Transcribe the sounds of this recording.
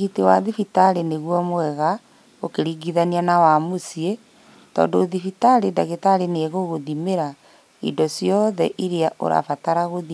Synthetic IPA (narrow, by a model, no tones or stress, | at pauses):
ɣitewaðifitaɾeneɣwɔmoɛɣa | okeɾiɡiðanianawamosie | tɔ̰ːndoːðifitaɾedaɣetaɾeneɣoɣoðimeɾa | ḭdɔsjɔðɛ̰ʔiɾeaʔo̰ɾa̰fataɾaɣoði